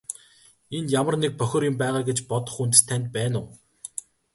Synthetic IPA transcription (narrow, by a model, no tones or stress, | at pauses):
enjamə̆rnek̚pœxʲɪ̆ːrjʊ̆mpæːʁaːɡet͡ɕpɔt̪ɞ̆χunt̪st̪ʰːænt̪̚pæːnʊː